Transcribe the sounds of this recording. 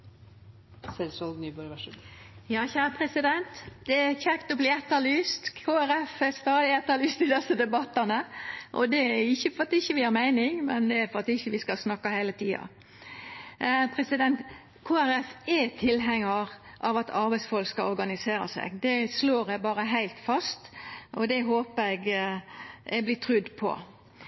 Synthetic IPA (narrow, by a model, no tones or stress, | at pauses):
sɛlsɑlnyːbɔɾʋæʃ | jɑːçæːɾəpʰɾɛsɪd̪ɛnt̪d̪̥ɛæçɛkt̪ɔblɪɛt̪ːəlyːst̪kʰoːæɾɛfɛst̪ɑːd̪ɪɛt̪ːəlyːst̪ɪd̪ɛsəd̪ɛbɑt̪ːənəʔɔ̰d̪ɛæɾɪçːəfɔɾɑt̪ɪçːəʋɪæɾmæɪnɪŋmɛnd̪ɛæɾfɔɾɑt̪ɪçːəʋɪskɑsnɑkːɑhæɪlət̪ʰiːɑ̰ | pʰɾɛsɪd̪ɛnt̪ | kʰoːæɾɛfɛt̪ʰɪlɦɛŋːəɾ | ʔɑʋɑt̪ʰɑɾbæɪsfɔlkskɑlɔɾɡɑnɪseːɾə̰sɛ̰ɡd̪ɛsloːɾɛbɑːɾəɦæɪlt̪fɑst̪ɔd̪ɛɦoːpəɛɡ | ɛɡblɪt̪ʰʁʏd̪pʰɔ̰